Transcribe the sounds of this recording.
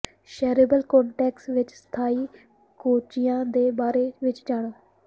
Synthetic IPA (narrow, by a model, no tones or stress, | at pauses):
ʃɛːɾeːbəlkɔ̃ːɳʈɛːksʋɪt͡ʃsə̥t̪ʰaːiː | koːt͡ʃɪjãːd̪eːbaːɾeːʋɪt͡ʃd͡ʒaːɽ̃oː